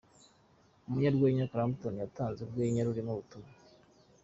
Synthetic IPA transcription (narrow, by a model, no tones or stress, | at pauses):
umuɲaɾɡweːɲakɾamptonijataːnzeɾɡweːɲaɾuɾimuβutuma